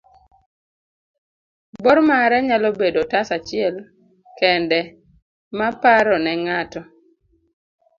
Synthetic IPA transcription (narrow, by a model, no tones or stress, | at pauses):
bɔɾmaɾɛɲalɔbedotasat͡ʃɪɛl | kɛndɛ | mapaɾɔnɛŋatɔ